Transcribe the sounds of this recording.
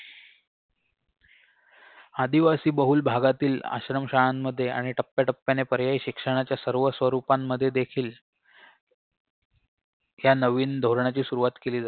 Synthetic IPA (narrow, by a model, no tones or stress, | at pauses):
ad̪iʋasiːbəɦuːlbʱaɡat̪iːla̰ɕɾəmɕaɭamːəd̪ʱːjeʔa̰ɽ̃iʈəpːjaʈəpːjanepəɾjajiɕikʂəɽ̃at͡ɕjasəɾʋəsʋəɾupamːəd̪ʱːjed̪ekʰiːl | ɦjanəʋiːnd̪ʱoɾɳat͡ɕiːsuɾuʋat̪keliːd͡zat̪